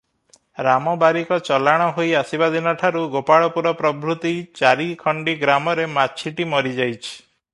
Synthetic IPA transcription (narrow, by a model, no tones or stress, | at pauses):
ɾamɔbaɾikɔt͡ʃɔlaɽ̃ɔɦojasibad̪ʱinɔʈʰaɾuɡopaɭɔpuɾɔpɾɔbɾut̪it͡ʃaɾikʰɔɳɖiɡɾamɔɾemat͡ʃʰiʈimɔɾid͡ʒajt͡ʃʰi̥